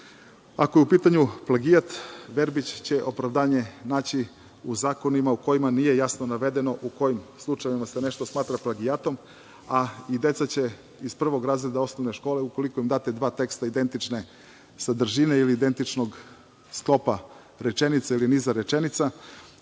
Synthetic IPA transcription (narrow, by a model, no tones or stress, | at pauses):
akojeupiːt̪aɲuplaɡijat̪ʋe̞ɾbit͡ɕt͡ɕe̞ʔo̞pɾaʋd̪aːɲe̞naːt͡ɕi | uzaːko̞nimauko̞imanije̞jasno̞naʋe̞d̪e̞noʔuko̞jimslˠut͡ʃajʋimasene̞ʃt̪osmaːt̪ɾaplaɡiat̪o̞m | aid̪e̞t̪sat͡ɕe̞ | ispr̩ʋo̞ɡɾaːzɾed̪ao̞snoʋneʃko̞ːle̞uko̞likoimd̪at̪ed̪ʋaːt̪e̞kst̪aid̪e̞nt̪it͡ʃne | sad̪r̩ʒineiliːd̪e̞nt̪it͡ʃnoɡ | sklˠo̞pa | ɾet͡ʃe̞nit̪sailiniːzaɾet͡ʃenit̪sa